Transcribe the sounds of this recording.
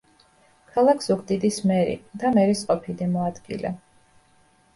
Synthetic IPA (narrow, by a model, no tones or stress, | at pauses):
kʰalˠakʰsukʰd̪id̪ismɛɾḭd̪amɛɾisqʼɔpʰid̪imɔad̪ɡḭlɛ̰